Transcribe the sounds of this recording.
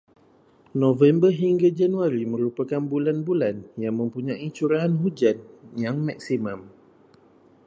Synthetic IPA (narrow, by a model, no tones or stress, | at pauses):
nõvɛmbərɦiŋɡad͡ʒanuaɾimə̃ɾupakanbulanbulanjaŋmə̃mpuɲãʔit͡ʃuɾaɦanɦud͡ʒanjaŋmak̚simãm